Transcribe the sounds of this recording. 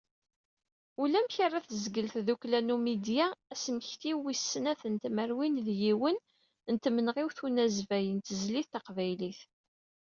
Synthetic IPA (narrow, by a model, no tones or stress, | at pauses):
ulæmçərˤːaθəzɡəlθðuklænumid̪jaæsəməçt̪iwisːnæθənt̪məɾwinðjiwən | nt̪mənʁɪwθunæzvæjənt̪əzliθɑqvæjliθ